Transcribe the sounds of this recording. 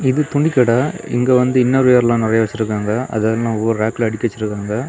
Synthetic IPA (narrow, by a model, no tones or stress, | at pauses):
ɪðɯt̪ʊɳɖɪkːɐɽaːɪ̰ŋɡeːʋɐnd̪ɯɪnːɐɾʋejɐɾlãːnɪɾɐjaːʋɐt͡ʃːɪɾɯkːaːŋɡɐɐ̰ðaːðɐlãːɔʋːɐɾɯɾaːkːlɐɐɽɪkːʋɐt͡ʃːɪɾɯkːaːŋɡɐ